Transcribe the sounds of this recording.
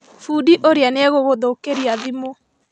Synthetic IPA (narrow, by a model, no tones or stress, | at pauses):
fuːdiʔoɾeanɛɣoɣoðokeɾiaðimo